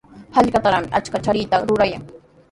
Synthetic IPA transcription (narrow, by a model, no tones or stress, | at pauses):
haʎkat̪aɾamɪʔat͡ʃkat͡ʃaɾɪːt̪aɾʊɾaja̰ŋ